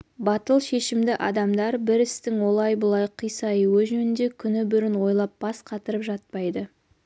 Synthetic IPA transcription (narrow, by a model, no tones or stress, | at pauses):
bɑt̪əlˠʃe̞ʃɪmd̪ɪʔɑ̰d̪ɑmd̪ɑɾbɪɾɪst̪ɪŋwo̞lˠɑjbʊlˠɑjqʰijsɑjɪwɪʒɵnɪnd̪e̞kʲʰʏnɪbʏɾɪnwo̞jlˠɑp̚b̥ɑsqʰɑt̪əɾəpʒɑt̪̚pɑjd̪ə